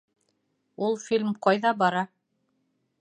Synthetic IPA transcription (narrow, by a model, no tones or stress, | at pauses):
ulˠfʲilʲmqɑjðɑbɑɾɑ